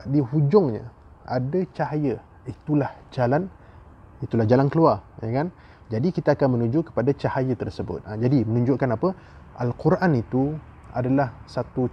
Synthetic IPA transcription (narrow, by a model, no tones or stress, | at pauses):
dihud͡ʒʊŋɲa̰ | ʔa̰dat͡ʃaɦajə | it̪ulahd͡ʒalan | it̪ulahd͡ʒalankəluarjakan | d͡ʒadikit̪aːkanmənũɲd͡ʒʊʔkə̥padat͡ʃahajət̪ərsəbʊ̰t̪̚ad͡ʒadimənũɲd͡ʒʊʔkanapə | ʔəlkuɾʔanit̪u | a̰dalahsat̪u